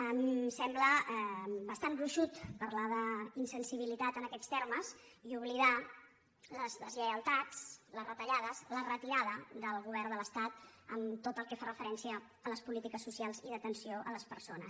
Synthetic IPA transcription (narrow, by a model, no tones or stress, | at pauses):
əmsɛmbləɛbəst̪anbɾuʃut̪pərlaðəinsənsiβ̞ilit̪at̪ənəkɛst̪ɛrməz | iuβliða | ləzləzʎəjəlˠt̪at͡slərət̪əʎaðəzlərət̪iɾaðəd̪əlˠɣuβɛrnd̪ələst̪at̪̚ə̰mt̪ot̪əlˠkɛfarəfəɾɛnsiəː | ləspulit̪ikəsːusialˠziðət̪ənsioʔə̰ləspəɾsonə̰s